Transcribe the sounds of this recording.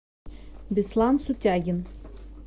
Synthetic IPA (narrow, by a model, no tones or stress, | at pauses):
bʲislˠɑnsut̪ʲæɡʲɪn